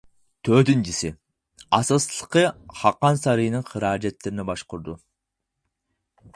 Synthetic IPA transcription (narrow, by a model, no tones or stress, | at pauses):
t̪ʰød̪ɪnd͡ʒisɪ | ɑsəslˠqəχɑqːɑnsɑɾijnɪŋχəɾɑːd͡ʒet̪ːeɾɪnebɑʃqʊɾd̪u